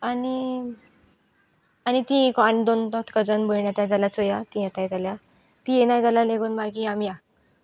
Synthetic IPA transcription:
ani | añit̪ĩekaɳd̪ont̪ɔ̃t̪kəd͡zənboɭɳjat̪jad͡zalat͡sojat̪iat̪ajd͡zalja | t̪ijenajd͡zalaleɡuːnbakiamja

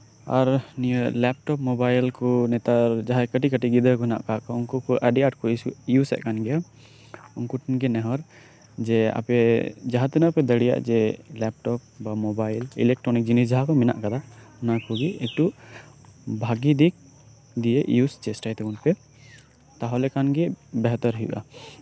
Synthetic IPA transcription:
a̰ɾnilɛp̚ʈɔpmɔbajlkɔnɛt̪ad͡ʒaɦakəʈikəʈiɡid̪ɾəkɔɛna̰ʔkakɔʊnkɔkɔʔəɖiaʈkɔisujusɛ̰ʔkanɡɛja | ʊnkɔʈinkɛnɛɦɔɾ | d͡ʒɛa̰pɛd͡ʒaɦat̪inapɛd̪əɽija̰ʔd͡ʒɛlɛp̚ʈɔp̚bamɔbajlḭlɛk̚ʈɾɔnik̚d͡ʒinis̬d͡ʒaɦakɔmɛna̰ʔkad̪anakɔɡiɛk̚ʈu | bʱaɡid̪ik̚ | d̪ijeʔjust͡ʃɛsʈajt̪ɛkunpɛ | t̪aɦɔlɛkanɡɛbɛɦt̪ɔɾɦjṵʔa̰

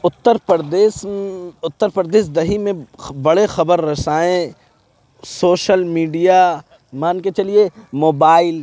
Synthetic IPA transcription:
ʊt̪ːəɾpəɾd̪eːsʊt̪ːəɾpəɾd̪eːsd̪ɐɦimẽbɐɽexɐbəɾːɐsaːẽ | soːʃəlmiːɖija | maːnket͡ʃɐliemoːbaːɪl

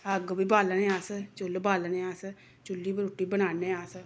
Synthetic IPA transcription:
əɡbiːbaːlneːaːst͡ʃʊlbaːlneːaːs | t͡ʃʊlːiːbəɾʊʈːiːbəñaːneːaːs

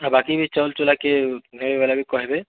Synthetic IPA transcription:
abakibʱit͡ʃəlt͡ʃolakeɦebebalabʱikɔɦebe

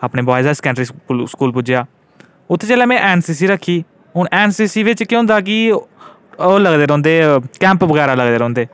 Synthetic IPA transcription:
aːpɳeːbaːɪzaːskɛ̃ːɳʈɾiːskuːlpʊd͡ʒɪjaː | ʊt̪ʰːeːt͡ʃɛːlɛːmɛ̃ːʔɛːnsiːs̬iːɾəkʰːiː | ɦʊɳʔɛːnsiːsiːʋɪt͡ʃkiɦʊ̃nd̪aːk̬ɪ | oːləɡd̪eːɾɔ̃ːnd̪eːkɛ̃ːmpʋəɣɛːɾaːləɡd̪eːɾɔ̃ːnd̪eː

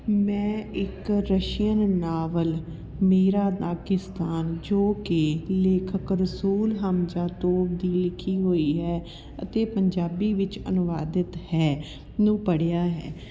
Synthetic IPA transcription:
mɛ̃ːɪkɾəʃijənnaːʋəl | meːɾaːd̪aːkɪst̪aːnd͡ʒoːkɪleːkʰəkɾəsuːlɦəmd͡ʒaːt̪oːp̚d̪iːlɪkʰːiːɦoːiːɦɛː | ə̰t̪eːpəɲd͡ʒaːbiːʋɪt͡ʃə̰nʊʋaːd̪ɪt̪hɛː | nũːpəɽejaːɦɛ̰ː

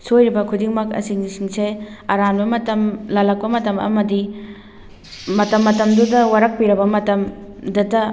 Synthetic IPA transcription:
sojɾibɐkʰudiŋmɐkɐ̰siŋnisiŋseɐɾanbɐmɐtɐmlɐlɐk̚pɐmɐtɐmɐ̰mɐdi | mɐtɐmːɐtɐmdudɐwaɾɐk̚piɾɐbɐmɐtɐmdɐdɐ

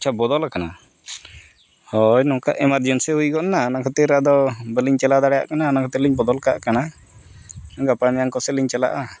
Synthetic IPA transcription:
t͡ʃʰabɔd̪ɔlakana | hɔjnɔ̃ka̰ʔɛmaɾd͡ʒɔnsɛhujkɔʔnaːnakʰɔt̪ɛɾad̪ɔbəliɲt͡ʃɛlad̪aɽɛja̰ʔkanaːnakʰɔt̪ɛliɲbɔd̪ɔlkaʔkana | ɡapanɛjaŋkɔsɛliɲt͡ʃala̰ʔa

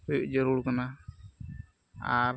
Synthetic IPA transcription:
ujuʔd͡ʒɔɾuɽkana | aɾ

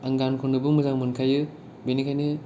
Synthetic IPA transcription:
aŋɡankʰunːɯbɯmɯzaŋmɯnkʰajɯ | bejnikʰajni

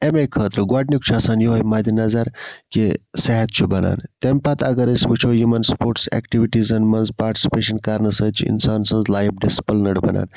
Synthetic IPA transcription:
emekʰəːt̪ɾɨɡaːʈnʲikt͡ʃʰuɐsaːnjoɦɐjmɐːd̪inɐzɐɾkesɛɦɐt̪̚t͡ʃʰubɐna̰ːnt̪emʲpɐt̪ɐɡɐɾəsʲbɨt͡ʃʰojumɐnspoːɾʈsɛ̰ːkʈiʋiʈizɐnmɐnzpaːɾʈi̥si̥peːʃɐnkaɾnɐsɐːt͡ʃʰiḭnsaːnsɐ̃nzlaːjbɖispəlnɐɽbɐ̰na̰ːn

